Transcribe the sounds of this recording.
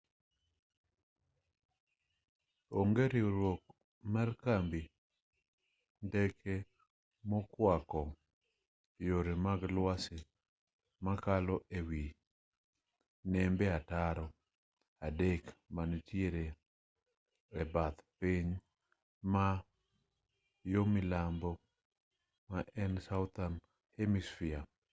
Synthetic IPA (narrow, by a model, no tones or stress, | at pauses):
oŋɡeɾiɾwok̚ | markambi | ndɛkʰe | mɔkwakɔ | joɾemaɡlwasɪ | makalɔʔewi | nɛmbeataɾɔ | adekmantjeɾe | ɛbat̪piɲ | ma | jomɪlambɔ | maʔɛnsawt̪an | hemisfia